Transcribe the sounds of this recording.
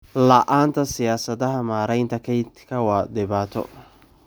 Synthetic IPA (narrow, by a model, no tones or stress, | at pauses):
lɐʔaːnt̪ʰɐsɪjaːsɐðɐɦɐmaːɾɛjnt̪ʰɐkʰɛjt̪kʰɐwɑd̪ɪβaːt̪ʰɔ̰